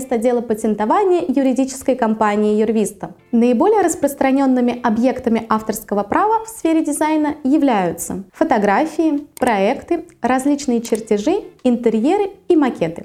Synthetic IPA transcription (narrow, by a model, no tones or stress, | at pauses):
st̪ɐdʲelˠəpətʲɪnt̪ɐvanʲɪjəjʊɾʲɪdʲit͡ɕɪ̥skəjkɐmpanʲɪɪjʊrvʲist̪ə | nəɪbo̞lʲɪjəɾəspɾəst̪ɾɐnʲo̞nːɨmʲɪʔɐbje̞kt̪əmʲɪʔaft̪ərskəvəpɾavəfsfʲeɾʲɪdʲɪzajnəjɪvlʲæjʊt̪sə̰fət̪ɐɡɾafʲɪɪpɾɐɛkt̪ɨɾɐzʲlʲit͡ɕnɨjət͡ɕɪrtʲɪʐɨɪnt̪ɨɾʲjeɾɨimɐkʲet̪ɨ